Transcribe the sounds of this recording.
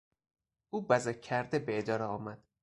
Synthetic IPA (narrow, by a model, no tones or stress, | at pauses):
uːbæzækʰːæɾd̪ebeed̪ɒːɾeɒːmæd̪̥